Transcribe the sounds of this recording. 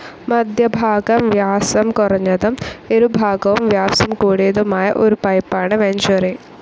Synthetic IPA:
mɐd̪ʱjɐbʱaːɡɐmʋjaːsɐmkɔɾɐɲɐd̪ɐmeɾubʱaːɡɐʋɐmʋjaːpsɐmkoːɽeːd̪omaːjɐʔoɾupɐjpːaːɳɐʋeɲt͡ʃɐɾe

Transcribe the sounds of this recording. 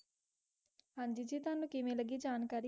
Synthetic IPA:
ɦãːnd͡ʒiːd͡ʒiːt̪ʊaːnũːkɪmẽːləɡiːd͡ʒaːnkaːɾi

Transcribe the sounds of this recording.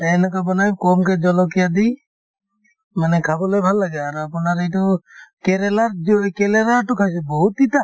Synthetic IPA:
ɛnakabɔnajkɔmked͡ʒɔlɔkijad̪i | manɛkʰabɔlɔjbʱalːaɡɛːɾapɔnaɾejt̪ɔkeɾɛlaɾd͡ʒɔkeleɾaʈukʰasibɔɦut̪ːit̪a

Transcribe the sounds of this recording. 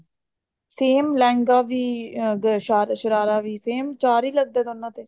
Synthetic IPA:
seːmlɛ̃ːŋɡaːʋiːɡʃaːɾʃəɾaːɾaːʋiːseːmt͡ʃaːɾiːləɡ̚d̪ɛːd̪onːãːt̪eː

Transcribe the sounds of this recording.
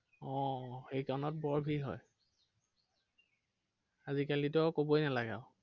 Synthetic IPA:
ɔ̃xejkanɔt̚bɔɹbʱiɦɔ̰j | azikalitɔkobojnalaɡa̰ʊ

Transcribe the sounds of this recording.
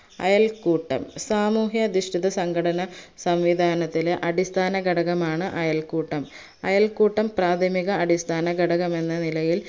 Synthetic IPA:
ɐ̰jɐlkuːʈːɐ̰msaːmuːɦjɐd̪uʂʈiðɐsɐŋɡɐɽɐnɐsɐmʋid̪ʱaːnɐt̪ːileʔɐɽist̪ʰaːnɐɡɐɽɐɣɐmaːɳɨʔɐjɐlkuːʈːɐm | ɐ̰jɐlkuːʈːɐmpraːd̪ʱɐmiɣɐːɽist̪ʰaːnɐɡɐɽɐɣɐme̞nːɐnilɐjil

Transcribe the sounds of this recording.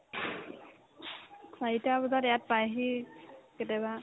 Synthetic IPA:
saitabɔzatɛjat̚pajɦikɛtɛba

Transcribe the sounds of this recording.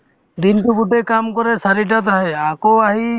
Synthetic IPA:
d̪inʈuɡuʈekamkɔɾesaɾiʈat̪aɦeakoaɦi

